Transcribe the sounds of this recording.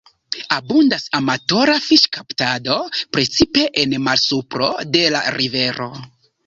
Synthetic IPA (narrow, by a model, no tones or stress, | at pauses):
abundasamato̞ɾafiʃkaptado̞pɾe̞t͡sipe̞ʔenmalsupɾo̞̰de̞la̰ɾive̞ɾo̞̰